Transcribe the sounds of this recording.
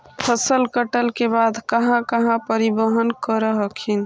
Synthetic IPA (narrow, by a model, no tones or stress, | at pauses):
pʰəsəlkəʈəlkebad̪ʱkəɦãkəɦãpəɾibəɦənkəɾəɦəkʰin